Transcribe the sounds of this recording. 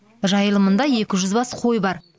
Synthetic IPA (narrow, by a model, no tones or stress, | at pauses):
ʒɑjəlˠəmənd̪ɑje̞kʲɪʒʏzbɑsqʰo̞jbɑɾ